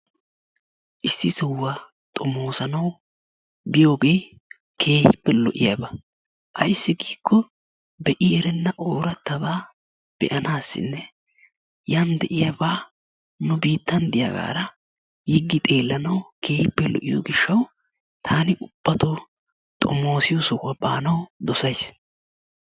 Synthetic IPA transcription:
ʔɪsːɪsʊwːaː | t̪ʼɔmo̞ːsɐnɐw | bɪjo̞ːɡe̞ː | kʰe̞ːjɪpːɛlɔ̰ʔɪjɐbɐ | ʔɐjsːɪɡiːkʰːɔ | bɛʔɪɛɾɛnːɐʔoːɾɐt̪ːɐbaː | b̥ɛ̰ʔɐnaːsːɪ̰nːɛ | jɐnd̪ɛʔɪjɐbaː | nʊbiːt̪ːɐnd̪ɪjɐ̰ɡa̰ːɾɐ | jɪɡːɪt̪ʼe̞ːlːɐnɐwkʰe̞ːjɪpːɛlɔ̰ʔɪjo̰ɡɪʃːɐw | t̪ʰaːnɪʔʊb̥ːɐt̪o | t̪ʼɔ̰mo̞ːsɪjɔsɔkːɐba̰ːnɐwd̪ɔsɐjs

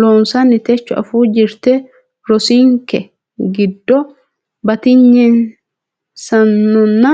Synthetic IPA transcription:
loːnsanːɪt̪ɛt͡ʃːʊɐ̰fuːd͡ʒɪɾt̪ɛ | ɾɔsiːŋkɛ | ɡɪd̪ːɔ | bɐt̪ɪɲːɛn | sɐnːɔnːɐ

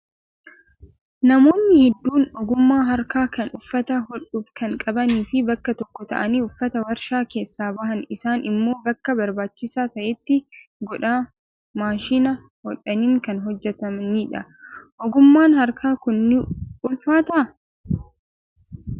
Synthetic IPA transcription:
nɐmo̞ːnːɪhɛd̪ːuːnɔɡʊmːaːɦɐɾkaːkɐnʔʊfːɐt̪ɐhɔᶑʊbkɐŋkʼɐbɐniːfɪbɐkːɐt̪ɔkːɔt̪ɐ̰ʔɐniːʊfːɐt̪ɐwɐɾʃaːke̞ːsːaːbɐɦɐnɪsaːnʔɪmːo̞ːbɐkːɐbɐɾbaːt͡ʃːɪsaːt̪ɐʔɛt̪ːɪɡɔᶑaː | maːʃiːnɐ | hɔᶑɐniːŋkɐnɦɔd͡ʒːɛt̪ɐmniːᶑɐʔɔɡʊmːaːnhɐɾkʰaːkʊnːɪʔʊlfaːt̪ɐʔ

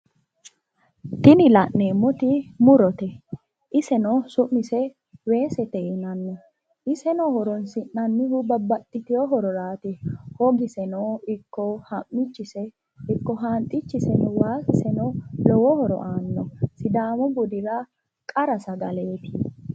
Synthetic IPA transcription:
t̪ɪnɪlɐʔne̞ːmːɔt̪ɪmʊɾɔt̪ɛ | ʔɪsɛnɔsʊmːɪsɛ | we̞ːsɛt̪ɛʔɪnɐnːɔ | ʔɪsɛnɔhɔɾɔnsɪʔnɐnːɪhʊbɐbːɐt̪ʼːɪt̪ɪjɔɦɔɾɔɾaːt̪ɪhɔɡɪsɛnɔɪkːɔhɐmːɪt͡ʃːɪsɛ | ɪkːɔɦaːnt̪ʼːɪt͡ʃːɪsɛnɔwaːsɪsɛnɔlɔwɔhɔɾɔ̰ʔaːnːɔsɪd̪aːmɔbʊd̪ɪɾɐ | kʼɐɾɐsɐɡɐle̞ːt̪ɪ̥

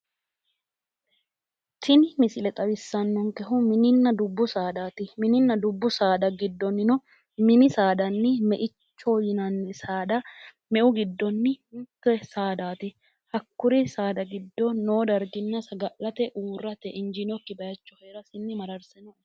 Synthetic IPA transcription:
t̪ʰɪnɪmɪsɪlɛt̪ʼɐwɪsːɐnːɔŋkɛɦʊmɪnɪnːɐd̪ʊbːʊsaːd̪aːt̪ɪmɪnɪnːɐd̪ʊbːʊsaːd̪ɐɡɪd̪ːɔnːɪnɔ | mɪnɪsaːd̪ɐnːɪmɛʔɪt͡ʃːɔjɪnɐnːɪsaːd̪ɐ | mɛʔʊɡɪd̪ːɔnːɪnt̪ːɛsaːd̪aːt̪ɪ | hɐkːʊɾɪsaːd̪ɐɡɪd̪ːɔnːoːd̪ɐɾɡɪnːɐsɐɡɐʔːɐt̪ɛʔuːrːɐt̪ɛʔɪnd͡ʒɪnɔkːɪbɐjɐt͡ʃːɔhɛːɾɐsɪnːɪmɐɾɐɾsɛnɔ

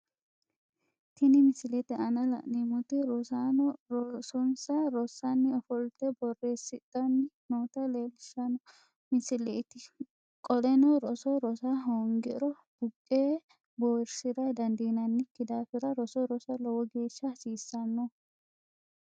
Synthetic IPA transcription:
t̪ʰɪnɪmɪsɪlɛt̪ɪɐnɐlɐ̰ʔnɪmʊt̪ɪɾɔsa | sɔnsɐɾɔsɐnːɪɔfɔlt̪ːɛbɔrːe̞ːsːɪt̪ʼːɐnːɪnoːt̪ɐleːlɪʃɐnɔ | mɪsɪlɛt̪ɪ | kʼɔlɛnɔɾɔsɔɾɔsaɦoŋɡɪɾɔ | b̥ʊkʼːeː | boːɾsɪɾɐjd̪ɐnd̪iːnɐnːɪkːɪd̪aːfɪɾɐɾɔsɔɾɔsɐlɔwɔɡe̞ːʃːɐsiːsːɐnːɔ

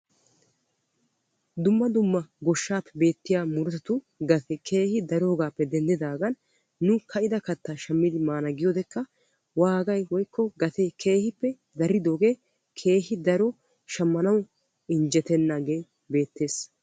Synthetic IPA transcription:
d̪ʊmːɐd̪ʊmːɐɡɔʃːaːpːɛ̥be̞ːt̪ːɪjaːmʊɾt̪ɐt̪ʊ | ɡɐt̪ɛkʰe̞ːhɪd̪ɐɾo̞ːɡaːpːɛd̪ɛnd̪ɪd̪aːɡɐnː | ʊkʰɐʔɪd̪ɐkɐt̪ːaʃɐmːɪd̪ɪmaːnɐɡɪjod̪ɛkːɐ | waːɡɐjwɔjkːɔɡɐt̪ɛkʰe̞ːhɪpːɛ | d̪ɐɾɪd̪o̞ːɡe̞ː | kʰe̞ːɦɪd̪ɐɾɔ | ʃɐmːɐnɐw | ɪɲd͡ʒɛt̪ɛnːaːɡeː | be̞ːt̪ːe̞ːs

